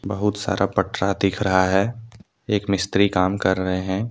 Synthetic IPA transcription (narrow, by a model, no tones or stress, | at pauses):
bɐɦʊt̪sa̰ːɾʔapɐʈɾad̪iːkʰɾɐɦaɦɛː | eːkmɪst̪ɾikaːmkɐɾːɐɦeɦɛ̃ː